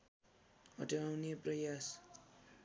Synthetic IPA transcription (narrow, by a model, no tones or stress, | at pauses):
ʌ̰ʈeawneprʌjas